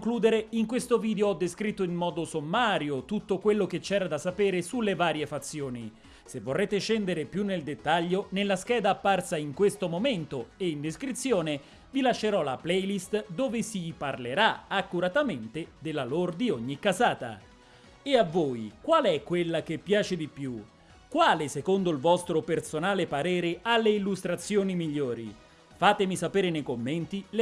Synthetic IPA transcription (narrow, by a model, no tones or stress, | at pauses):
ŋkluːd̪eɾeiŋkwest̪oviːd̪eoɔd̪ːeskɾit̪ːoinmɔːd̪osomːaːɾjot̪ut̪ːokwelːok̟et͡ʃːɛːɾad̪asːapɛːɾesulːevaːɾjefat̪sːjoːni | sevːorːeːt̪eʃɛnd̪eɾepjunːeld̪et̪ːaʎːonelːaskɛːd̪aːpːarsaiŋkwest̪omoment̪oeind̪eskɾit̪sːjoːne | vilaʃːeɾɔlaplɛjlist̪d̪oːvesiparleɾaakːuɾat̪ament̪ed̪elːalord̪iɔɲːikːazaːt̪a̰ | eavːoːjkwaːlɛkːwelːak̟epːjaːt͡ʃed̪ipju | kwaːlesekond̪oilvɔst̪ɾopersonaːlepaɾɛːɾealːeilːust̪ɾat̪sːjoːnimiʎːoːɾḭ | faːt̪emisapɛːɾenejkomːɛnt̪il